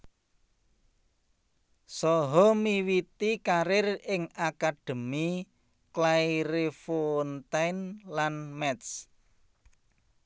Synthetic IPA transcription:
sɔɦɔmiwit̪ikaɾɪrɪŋakad̥ə̤mi | klajɾefont̪ajnlanmɛt̪s

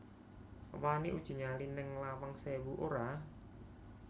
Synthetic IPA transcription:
waniʔud̥ʒ̥i̤ɲalinɪŋlawaŋsewuʔoɾa

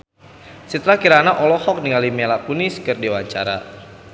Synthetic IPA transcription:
sit̪ɾakiɾanaʔɔlɔhɔk̚niŋalimɛlakuniskɨrdiwaɲt͡ʃa̰ɾa̰

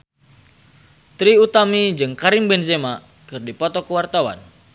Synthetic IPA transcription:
t̪ɾiut̪amid͡ʒɨŋkaɾimbɛnzema | kɨrdipɔt̪ɔkəwart̪awa̰n

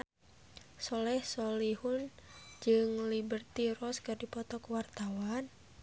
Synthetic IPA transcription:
sɔlɛhsɔlihund͡ʒɨŋlibərt̪iɾɔskɨrdipɔt̪ɔkuwart̪awan

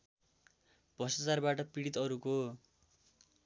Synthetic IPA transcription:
b̥ʱʌst̪ʌt͡sarbaʈʌpiɽit̪ʌɾuko

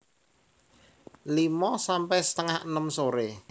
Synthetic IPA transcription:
limɔsampɛsə̥t̪əŋahnəmsoɾe

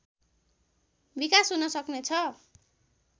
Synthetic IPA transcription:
bikasɦunʌsʌknet͡sʰʌ

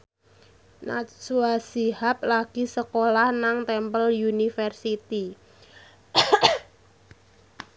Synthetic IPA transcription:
na̰suasihap̚laɡ̥isəkolahnaŋt̪ɛmpəljunifərsit̪i

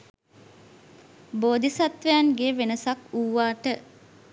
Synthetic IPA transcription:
boːd̪isat̪ʋejanɡeːʋenəsakuːʋːaːʈə

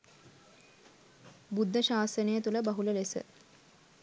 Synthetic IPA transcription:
bud̪ʱːəʃaːsənəjət̪uləbɐɦuləlesə̰

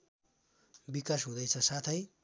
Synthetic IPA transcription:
bikasɦũd̪ʌjt͡sʰʌsat̪ʰʌj

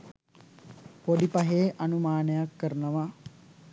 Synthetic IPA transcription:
podipaɦeːʔɐnumaːnəjakːəɾnəʋɐ

